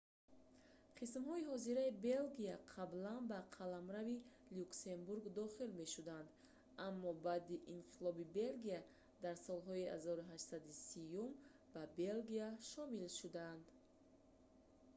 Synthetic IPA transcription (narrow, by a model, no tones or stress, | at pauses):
qʰismɦɔihɔziɾaibe̞lɡiaqʰablanbaqʰalamɾavi | lukse̞mbuɾɡd̪ɔχilme̞ʃud̪and̪ | amːɔbad̪iʔinqʰilɔbibe̞lɡia | d̪aɾsɔlɦɔiha̰zɔɾuɦaʃsad̪isijum | b̥abe̞lɡiaʃɔmilʃud̪aːnd̪